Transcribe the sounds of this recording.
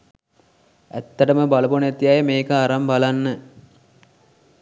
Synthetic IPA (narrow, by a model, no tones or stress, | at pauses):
æt̪ːəʈəməbalɐbonet̪ijajəmeːkəaɾambalanːə